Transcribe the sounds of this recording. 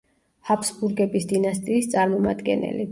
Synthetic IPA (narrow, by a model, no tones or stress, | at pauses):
hapʰsbuɾɡɛbisd̪inast̪ʼiːst̪sʼaɾmɔma̰d̪ɡɛ̰nɛ̰li